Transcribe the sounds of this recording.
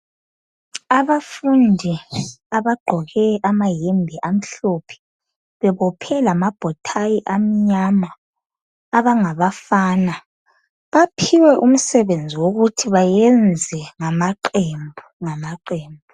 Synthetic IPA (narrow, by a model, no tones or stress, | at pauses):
aβafundʱiaβaɡ͡ǃʱɔɣɛʔamajembʱɛʔam̩ɬopʰɛ̥ | βɛβɔpʰɛlamab̥ʱɔtʰajiʔam̩ɲamaː | βaŋaβafaːna | βapʰiwɛʔum̩sɛβend͡zʱiwoɣutʰiβajɛnd͡zʱɛŋamaǃembʱuŋamaǃeːmbʱu